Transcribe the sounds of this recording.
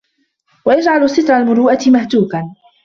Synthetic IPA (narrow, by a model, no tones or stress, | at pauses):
wajad͡ʒʕalʊsɪt̪ɾˤalmʊɾuːʔat̪ɪmaht̪uːkan